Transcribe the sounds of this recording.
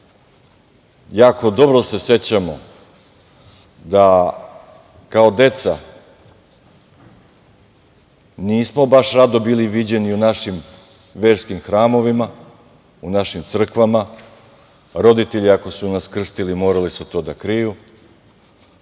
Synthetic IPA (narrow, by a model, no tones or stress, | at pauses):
jaːko̞d̪o̞bɾose̞se̞t͡ɕamo̞̰ | d̪a | kao̞d̪e̞t̪sa | niːsmo̞baʃɾad̪obiːliʋid͡ʑe̞niunaʃim | ʋeːɾskimxɾaːmo̞ʋima | unaʃimt̪sr̩kʋama | ɾo̞d̪it̪eʎiako̞sunaskr̩st̪ilimo̞ːɾalisut̪o̞ːd̪akɾiju